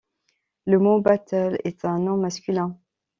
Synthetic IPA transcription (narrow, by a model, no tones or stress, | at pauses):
ləmõbat̪əlɛ̰t̪ɛ̃nɔ̃maskʲylɛ̃